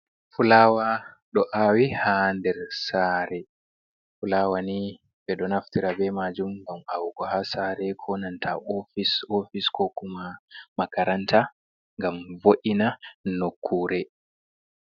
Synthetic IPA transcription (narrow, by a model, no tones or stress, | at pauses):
fulaːwa | ɗɔʔawihandɛɾsaːɾɛ | fulaːwani | bɛɗɔnaftiɾabɛmad͡ʒumɡama̰wɡɔhasaɾɛkʰɔnantʰa̰ʔɔfisofiskɔkumamakaɾantʰa | ŋɡamvoʔinanokʰːuːɾɛ